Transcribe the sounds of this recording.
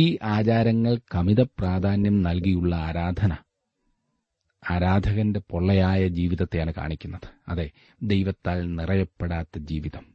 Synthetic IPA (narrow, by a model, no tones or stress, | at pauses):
iːʔaːt͡ɕaːɾɐŋːɐɭkɐmiðɐpraːd̪ʱaːnjɐmnɐlk̬ijuɭːɐaːɾaːd̪ʱɐnɐ | aːɾaːd̪ʱɐɣɐnde̞po̞ɭːɐjaːjɐd͡ʑiːʋiðɐt̪ːejaːɳɨka̰ːɳikʲːunːɐðɨ̥ɐðe̞ | d̪ejʋɐt̪ːaːlnirɐjɐpːeɽaːt̪ːɐd͡ʑiːʋiðɐm